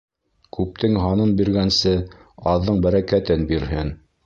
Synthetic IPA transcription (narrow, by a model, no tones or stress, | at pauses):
kʉp̚t̪ɘŋɦɑnɤmbiɾɡænsɘɑðːɤɴbæɾækæt̪ɘnbiɾhɘn